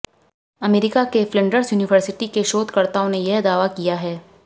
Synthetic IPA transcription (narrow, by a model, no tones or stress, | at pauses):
ɐmeːɾɪkakeflɪ̃ɳɖəɾsjuːnɪʋəɾsɪʈikeʃoːt̪kɐɾt̪aõnejɛɦd̪aːʋakijaɦɛː